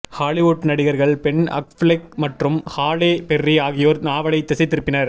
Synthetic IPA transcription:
haːɭɪʋoʈːnɐɽɪɣɐɾɣɐɭpɛɳɐ̰k̚flɪk̚mɐʈrɯmhaːɭeːpɛrːiaːɣɪjoːɾnaːʋɐɭɐɪt̪ːɐsɐɪt̪ːɪɾɯpːɪnɐɾ

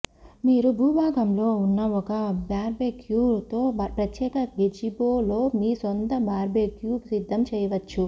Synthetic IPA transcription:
miːɾubʱuːbʱaːɡɐmlo̞ːunːɐɔkɐbjaːɾbeːkjuːt̪o̞ːpɾɐt̪jɛːkɐɡed͡ʒiboːlo̞ːmiːsont̪ɐbaːɾbeːkjuːksid̪ʱːɐmt͡ʃɛːjɐʋɐt͡ʃːu

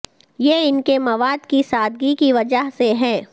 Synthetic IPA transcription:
jeːɪnkemɐʋaːd̪kisaːd̪̚ɡikiʋɐd͡ʒəɦseɦɛ̃ː

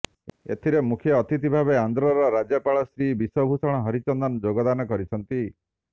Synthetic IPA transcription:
ḛt̪ʰiɾemukʰjɔːt̪it̪ibʱabeand̪ɾɔɾɔɾad͡ʒɔpaɭɔst̪ɾibisɔbʱusɔɽ̃ɔɦɔɾit͡ʃɔnd̪ɔnɔd͡ʒoɡɔd̪anɔkɔɾit͡ʃʰɔnt̪i

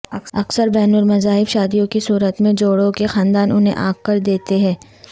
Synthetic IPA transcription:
ɐksəɾbɛːnʊlmɐzaːɦɪbʃaːd̪ijõkisuːɾət̪mẽd͡ʒoːɽõkexaːnd̪aːnʔʊnɦḛ̃ʔaːɡkɐɾd̪eːt̪eɦɛ̃ː

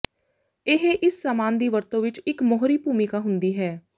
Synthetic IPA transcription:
ɪɦeʔɪsːaːmaːnd̪iːʋəɾt̪õʋɪt͡ʃɪkmɔɦɾiːpuːmikaːɦʊ̃nd̪iːɦɛː

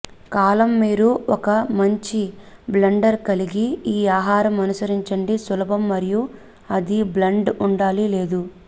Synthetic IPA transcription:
kaːlɐmːiːɾuɔkɐmɐɲt͡ʃi | blɐɳɖɐɾkɐliɡiiːaːɦaːɾɐmɐnusɐɾiɲt͡ʃɐɳɖisulɐbɐmːɐɾiju | ɐd̪iblɐɳɖuɳɖaːlileːd̪u

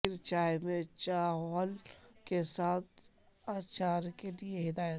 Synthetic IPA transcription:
ɪɾt͡ʃaːjmẽt͡ʃaːɦɔlkesaːt̪̚ʰ | aːt͡ʃaːɾkelieɦɪd̪aːjə

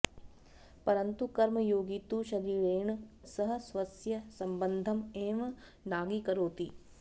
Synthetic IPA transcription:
pɐɾɐnt̪ukɐɾmɐjoːɡit̪uʃɐɾiːɾeːɳsɐɦɐ̆sʋɐsjɐsɐmbɐnd̪ʱɐmeːʋ | naːɡikɐɾoːt̪i

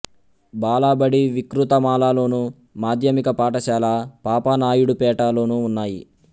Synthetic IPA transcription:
baːlaːbɐɽiʋikɾut̪ɐmaːlaːlo̞ːnu | maːd̪ʱjɐmikɐpaːʈɐʃaːlaːpaːpanaːjuɽupɛːʈaːlo̞ːnuːnːaːjḭ

